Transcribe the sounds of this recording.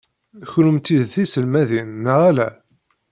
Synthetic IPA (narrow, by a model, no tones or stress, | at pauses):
çɾʊmt̪iðθisəlmæðinːəʁælæ